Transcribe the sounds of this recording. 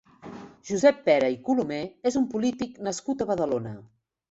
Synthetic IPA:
ʒ̥uzɛpːɛɾəikulumeezumpulit̪iknəskut̪əβəðəlonə

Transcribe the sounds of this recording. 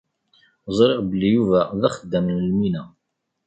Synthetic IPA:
zˤɾˤeʁbəlːijuvæðæχəd̪ːəmnəlminæ

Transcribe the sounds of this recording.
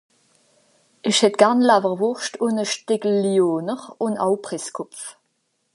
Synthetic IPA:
iʃhɛt̚ɡ̥aʁnlavəʁvʊʁʃtʰʊnəʃtɪɡl̩ːjoːnəʁʊnɑ̰wpʁɪskʰʊpf

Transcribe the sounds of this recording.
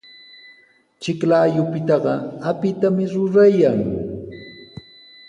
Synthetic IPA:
t͡ʃɪklaːjʊpɪt̪ɑɢɑapɪt̪amɪɾʊɾajaŋ

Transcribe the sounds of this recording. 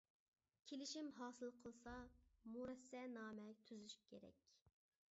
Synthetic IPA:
kʲʰelɪʃimɦɑːsɨlˠqʰəlˠsɑmuɾɛsːɛnɑːmɛt̪ʰyzyʃy̥kʲʰeɾɛ̰kʲ

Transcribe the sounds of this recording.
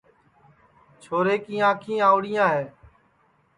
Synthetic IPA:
t͡ʃʰoːɾeːkĩːãːkʰĩːaːʊɽɪjãːɦeː

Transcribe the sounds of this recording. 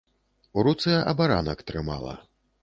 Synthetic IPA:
uɾut̪sɨjɐʔɐbaɾa̰nɐkt̪ɾɨma̰lˠɐ̰

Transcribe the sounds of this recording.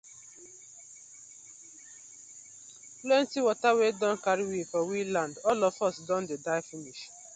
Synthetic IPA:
plẽntiwɔtawedɔ̃nkaɾiwifɔwilãndɔlɔfɔsdɔ̃ndedaɪfiniʃ

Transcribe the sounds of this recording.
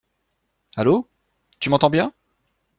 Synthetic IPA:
alo | t̪ymɑ̃t̪ɑ̃bjɛ̃

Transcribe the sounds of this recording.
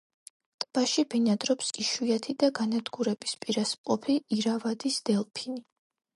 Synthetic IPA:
t̪ʼb̥aʃibinad̪ɾɔpskʼiʃuat̪ʰid̪aɡanad̪ɡuɾɛbispʼiɾasmʼqʼɔpʰiiɾavad̪isd̪̥ɛlˠpʰini

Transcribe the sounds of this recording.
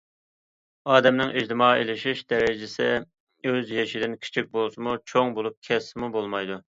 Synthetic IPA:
ɑːd̪ɛmnɪŋʔid͡ʒd̪ɪmɑːḛlɪʃiʃd̪ɛɾɪd͡ʒɪsɪ | øzjeʃid̪ɪnkʲʰi̥t͡ʃʰik̚ʲbolˠsumut͡ʃʰoŋbolˠup̚kʲʰɛsːɪmubolˠmɑjd̪u

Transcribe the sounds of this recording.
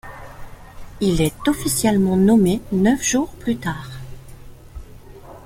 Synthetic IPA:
ilɛt̪ɔfisjɛlmɑ̃nɔmenœfʒ̥uʁplyt̪aːʁ

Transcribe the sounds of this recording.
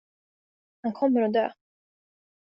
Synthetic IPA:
hankʰɔmːəɾɔd̪ø̰ː

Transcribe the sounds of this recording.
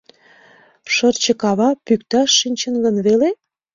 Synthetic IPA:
ʃərt͡ɕə̆kɑβɑpykt̪ɑʃːinʲt͡ɕənɡənβele

